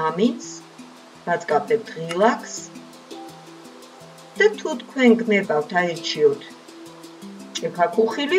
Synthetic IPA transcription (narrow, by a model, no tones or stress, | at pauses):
amins | b̥at̪sʼkʼapʰɛd̪ʁilˠakʰs | d̪̥at̪ʰut̪kʰwɛnɡnɛbawt̪ʰaɛɾt͡ʃʰiɔt̪ʰ | t͡ʃʼɛpʰakʰuχili